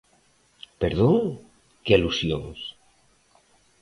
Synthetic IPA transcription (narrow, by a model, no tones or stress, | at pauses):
peɾðoŋ | kealusjoŋs